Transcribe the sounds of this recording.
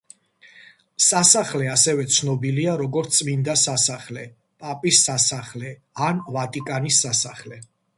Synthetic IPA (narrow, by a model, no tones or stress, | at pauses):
sasaχlɛasɛvɛt̪sʰnɔbiliaɾɔɡɔɾt̪sʼmind̪asasaχlɛ | pʼapʼisːasaχlɛ | anvat̪ʼikʼanisːasaχlɛ